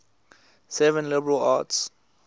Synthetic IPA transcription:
sɛvə̃nlɪbəɹəla̰ts

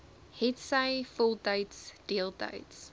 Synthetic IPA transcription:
hɛtsaɪfʊlˠdeɪtsd̥ilˠdḛɪts

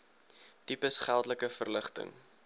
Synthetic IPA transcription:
d̥ipəsχælˠtləkəfərləχtə̰ŋ

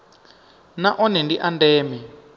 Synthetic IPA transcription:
naʔɔnɛndiʔandɛːmɛ

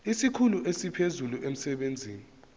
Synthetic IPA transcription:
isikʰuluʔesipʰezuluʔem̩sɛɓend͡zʱiːni

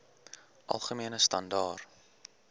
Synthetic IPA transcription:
ʔɐ̰lˠχəmiənəstɐndɑːr

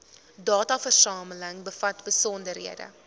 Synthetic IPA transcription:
dɑːtɐfərsɑːmələŋbəfɐtbəsɔndərɦiədə̰

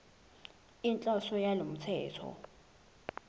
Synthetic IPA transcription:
int͡ɬʼɔsɔjalom̩t͡sʰɛːtʰɔ̰

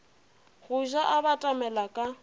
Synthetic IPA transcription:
ɣʊʒaʔabatʼamɛlakʼa

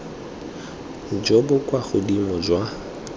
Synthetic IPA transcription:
d͡ʒobʊkʼwaχʊdimʊd͡ʒwa

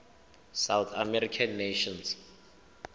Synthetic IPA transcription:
sawθʰamɛɾikʰanːeʃɔns

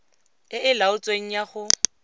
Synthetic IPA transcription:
ɪɪlaʊt͡sʼweŋ̩jaχʊ

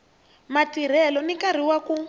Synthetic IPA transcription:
matiɾ̤ɛlɔnikaɾ̤iwaku

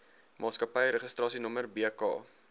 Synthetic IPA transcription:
mʔɑːtskɐpəjɾəχəstrɑːsinɔmərbikɑ̰ː

